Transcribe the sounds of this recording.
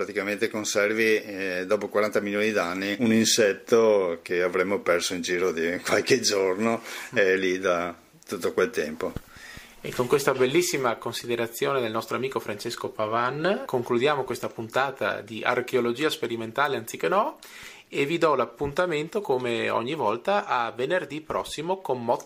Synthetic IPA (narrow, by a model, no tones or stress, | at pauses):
pɾat̪ikament̪ekonsɛrvid̪ɔːpokwaɾant̪amiljoːnid̪anːiuninsɛt̪ːokeavɾemːopɛrsoind͡ʒiːɾod̪ikwalked͡ʒornoeɛlid̪a | t̪ut̪ːokwelt̪ɛmpo | ekːoŋkwest̪abelːisːimakonsid̪eɾat̪sːjoːned̪elnɔst̪ɾoamiːkofɾant͡ʃeskopavankoŋklud̪jaːmokwest̪apunt̪aːt̪a̰d̪iʔa̰rkeolod͡ʒiːaspeɾiment̪aːleant̪sikːenɔ | evid̪ɔlapːunt̪ament̪okomeɔ̰ɲːivɔlt̪aʔavenerd̪ipːɾɔsːimokommɔ